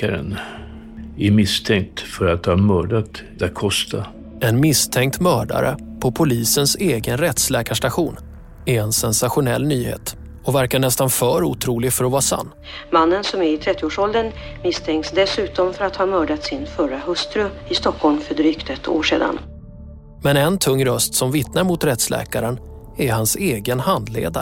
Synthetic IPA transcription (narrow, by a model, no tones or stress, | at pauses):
aɾə̰n | æɾmɪst̪ʰɛŋk̚t̪fœɾat̪hɑːmœːɖat̪d̪t̪̚kʰɔst̪ʰa | ɛnmɪst̪ʰɛŋk̚t̪mœːɖa̰ɾə̰pʰɔpʰʊliːsənseːɡənɾɛt̪slɛːkaʂʈaɧuːn | ɛɛnsɛnsaɧʊnɛlːnyːhḛːt̪ | ɔvæɾkaɳɛst̪anfœːɾuːt̪ʰɾuːlɪɡfœɾɔvɑːɾsa̰nː | manːənsɔmɛɾɪt̪ʰɾɛt̪ːɪoːʂɔld̪ənmɪst̪ʰɛŋk̪sd̪ɛsʉ̟ːt̪ɔmfœɾat̪hɑːmœːɖat̪sɪnfœɾaɦɵst̪ɾɵɪst̪ɔkʰhɔlmfœɖɾyːkt̪ɛt̪ʰːo̰ːʂḛːd̪a̰n | mɛnɛnt̪ʰɵŋːɾœst̪sɔmvɪt̪naɾmʊt̪ɾɛt̪slɛ̰ːkaɾən | æɦanseːɡənhand̪lḛːd̪a